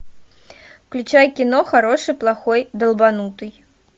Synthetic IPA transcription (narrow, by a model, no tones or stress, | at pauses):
klʲut͡ʂajkʲinɔxaɾɔʂɨplˠaxɔjd̪ɐlˠbanut̪ɨj